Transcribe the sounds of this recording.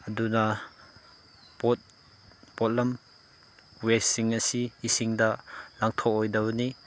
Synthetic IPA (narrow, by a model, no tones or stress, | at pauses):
ɐduna | pɔt̚ | pɔt̪̚lɐm | wessiŋɐsiisiŋdalaŋt̪ʰɔɔjdɐwni